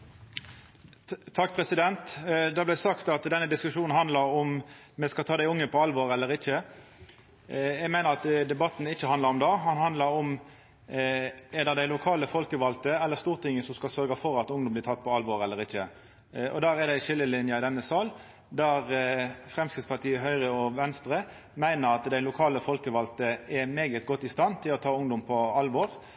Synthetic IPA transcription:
t̪ʰɑkːpʰɾɛsɪd̪ɛnt̪d̪ɑblæsɑkt̪ɑt̪d̪ɛnːəd̪ɪskʉʂuːnn̩ɦɑnd̪lɑɾɔm | mɛskɑlt̪ʰɑːd̪æɪʊŋːəpʰɔɑlʋɔʁɛlːəɾɪçə | jæɡmeːnəɾɑt̪d̪ɛbɑt̪n̩ɪçːəɑnd̪ɑɾɔmd̪ɑːhɑnhɑnd̪lɑɾɔm | ɛd̪ɛd̪æɪlʊkʰɑːləfɔlkəʋɑlt̪əɛlːəʁst̪uːʁt̪ɪŋːəsɔmskɑlsœɾɡɑfɔʁɑt̪ʊŋd̪ɔmblɪt̪ʰɑt̪̚ːpʰɔɑlʋɔʁɛlːəɾʁɪçːə | ʔɔ̰d̪æːɾɛd̪æɪʃɪlːəlɪnjɑɪd̪ɛnːəsɑːl | d̪æʁfɾɛmskɾɪtspɑʁt̪ʰiːəɦœʏʁəɔʋɛnst̪ɾə | mæɪnəɾɑt̪d̪æɪlʊkʰɑːləfɔlkəʋɑlt̪əɛmeːɡət̪ɡɔt̪ːɪst̪ɑnːt̪ʰɪlɔt̪ʰɑːʊŋd̪ʊmpʰɔɑlʋɔːʁ

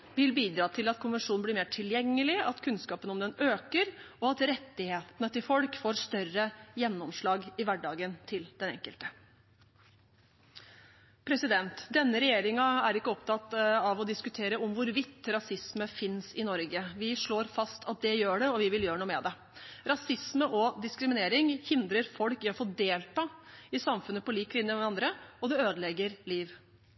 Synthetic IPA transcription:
ʋɪlbiːd̪ɾɑːt̪ʰɪlɑt̪̚kʰʊnʋənʂuːnn̩blɪɾmeːʈʰɪljɛŋːəlɪɑt̪kʰʉnskɑːpənɔmd̪ɛnøːkəɾɔɑt̪ɾɛt̪ːɪheːt̪nət̪ɪlfɔlkfoːɾst̪œrəjɛnːɔmʂɭɑːɡɪʋæɖɑːɡənt̪ʰɪld̪ɛnɛ̰ŋkəlt̪ə | pʰɾɛsɪd̪ɛnt̪d̪ɛnːəɾɛjeːɾɪŋɑæɾɪkːəɔpt̪ʰɑt̪ɑʋɔd̪ɪskʉt̪ʰeːɾəɔmʋʊɾʋɪt̪ːɾɑsɪsməfɪnsɪnɔɾɡəʋɪʂɭoːɾfɑst̪ʰɑt̪̚d̪ɛjøːɖɛɔʋɪʋɪljøːɾəɳuːmɛd̪ɛ | ɾɑsɪsməʔɔd̪ɪskɾɪmɪneːɾɪŋhɪnd̪ɾəɾfɔlkɪɔfoːd̪eːlt̪ʰɑɪsɑmfʉnːəpɔliːklɪnjəɑnd̪ɾəɔd̪ɛøːd̪əlɛɡəɾliːʋ

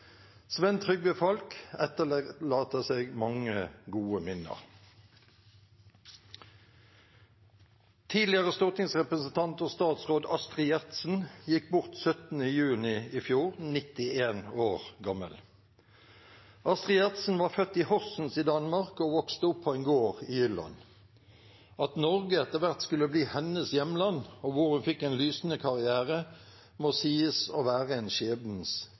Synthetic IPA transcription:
sʋɛnt̪ʰʁʏɡbəfɔlkɛt̪əllɑːt̪əseːɡmɑŋəɡuːəmɪnə̰ʁ | t̪ʰiːd̪lɪəʁəst̪ʊʁt̪nɪŋsʁɛpʁəsn̩t̪ʰɑnt̪oːst̪ɑːt̪sʁoːd̪ɑst̪ʁɪjæʁt̪sn̩jɪkbʊʁt̪sœt̪n̩əjʉːnɪifjuːʁnɪt̪ɪeːnoːʁɡɑmə̰l | ʔɑst̪ʁɪjɛʁt̪sn̩ʋɑːʁfœt̪ːɪhɔsn̩sid̪ɑnmɑʁkoːʋɔkst̪əʊpʰːɔɛɪnɡoːʁɪjʏlɑ̰n | ɑt̪nɔʁɡəɛt̪ːəʁʋæʁt̪skʉlːəbliːhɛnəsjɛməlɑnoʋʊʁhʉnfɪkːɛnlyːsn̩əkʰɑʁɪæːʁə | moːsiːəsoːʋæːʁəeːnʃeːbn̩s

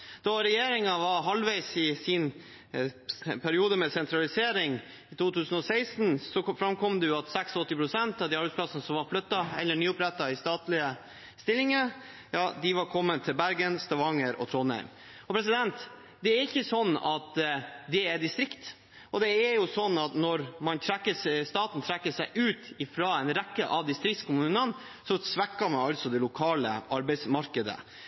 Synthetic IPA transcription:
d̪̥ɑɾɛjeːɾɪŋɑʋɑɾɦɑlʋæɪsɪsɪn | pʰæɾɪuːd̪əmɛsɛnt̪ʰɾɑlɪseːɾɪŋ | ɪt̪uːt̪ʰʉːsənɔsæɪsn̩sɔfɾɑmkʰɔmd̪ɛjʊɑt̪sɛksɔt̪ːɪpʰɾʊsɛnt̪ɑʋd̪iɑɾbɛd̪spʰlɑsənəsɔmʋɑɾflœt̪ːɑɛ̰lːəɳyːʊpɾɛt̪ːɑɪst̪ɑːt̪lɪə | st̪ɪlːɪŋəɾ | jɑːd̪ɪʋɑɾkʰɔmːənt̪ʰɪlbæɾɡənst̪ɑʋɑŋəɾɔ̰t̪ʰɾoːnhæ̰ɪm | ɔpʰɾɛs̬ɪd̪ɛnt̪ | d̪ɛæɾɪçːəsɔnːɑ̰t̪d̪ɛæd̪ɪst̪ɾɪkt̪ | ʔɔd̪ɛæɾjʊsɔnːɑt̪nɔɾmɑnt̪ʰɾɛkːəsst̪ɑːt̪n̩t̪ʰɾɛkːəsæɪʔʉːt̪ɪfɾɑːɛnɾækːəʔɑʋd̪ɪst̪ɾɪktskʰʊmʉːnən | sɔsʋækːɑmɑnɑlt̪sɔd̪ɛlʊkʰɑːlə̰ʔɑɾbɛɪsmɑɾkəd̪ə̰

